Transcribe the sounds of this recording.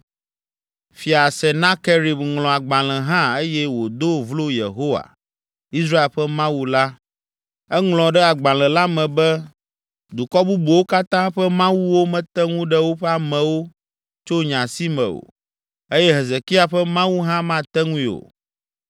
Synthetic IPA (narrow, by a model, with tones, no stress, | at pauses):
fi˨a˨sɛ˨nã˦ke˦ɾi˨bŋlɔ̃˨a˨ɡ͡bã˨l̃ɛ̃˨ɦã˦e˦jɛ˦wo˨d̪o˦vlo˦jḛ˨ɦo˦wa̰˨ | i˦s̬ɾa˦e˨lɸɛ˦mã˦wu˦la˦ | ɛ˦ŋlɔ̃˨ɖɛ˦a˨ɡ͡bã˨lɛ̃˨la˦mɛ̃˨bɛ˦ | d̪u˨kɔ˦bu˦bu˨wo˦ka˦t̪ã˦ɸɛ˦mã˦wu˦wo˦mɛ̃˨t̪ɛ˦ŋũ˦ɖɛ˦wo˦ɸɛ˦a˨mɛ̃˨wo˦ | t͡ʃo˦ɲã˨si˦mɛ̰̃˨o̰˨ | e˦jɛ˦ɦɛ˨ze˨ki˦a˨ɸɛ˦mã˦wu˦ɦã˦mã˦t̪ɛ˦ŋũ˦i˦˨o̰˨